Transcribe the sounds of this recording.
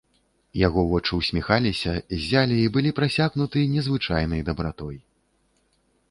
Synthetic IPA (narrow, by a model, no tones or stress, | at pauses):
jaɣɔvɔt͡ʂɨwsʲmʲixalʲisʲɐzʲalʲiːbɨlʲipɾasʲaɣnut̪ɨjɐnʲɛzvɨt͡ʂajnɐjd̪ɐbɾat̪ɔj